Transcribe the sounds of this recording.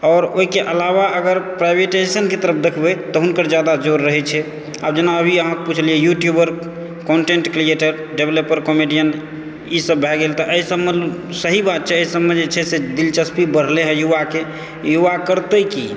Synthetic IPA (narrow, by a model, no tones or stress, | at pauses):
ɔɾoɦikeʔəlaβaʔəɡəɾpɾajbeʈaesənket̪əɾəp̚ʰd̪ekʰbet̪ɔɦunkəɾd͡ʒjad̪ad͡ʒoɾːəɦɛt͡ʃʰɛ | a̰bd͡ʒenaəbʱiəɦãkeput͡ʃʰliɛjuʈjubəɾ | koɳʈeɳʈkɾieʈəɾ | ɖebləpəɾkomiɖijən | isəbːʱɛɡelt̪ɔʔəisəbmesəɦibat̪̚t͡ʃʰɛəisəbmed͡ʒet͡ʃʰɛsed̪ilt͡ʃəspibəɽ̤leɦɛjuʋake | juʋakəɾt̪əki